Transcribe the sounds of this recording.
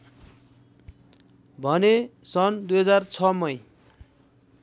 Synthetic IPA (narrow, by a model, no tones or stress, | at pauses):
bʱʌnesʌnd̪ujɦʌd͡zart͡sʰʌmʌj